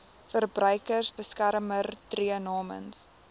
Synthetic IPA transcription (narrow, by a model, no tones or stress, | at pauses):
fərbrœɥkərsbəskærmərtriənɑːmə̰ns